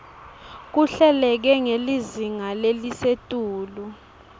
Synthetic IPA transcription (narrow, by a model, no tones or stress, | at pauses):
k̬uɬɛlɛk̬ɛŋeliziŋalelisetʼuːlu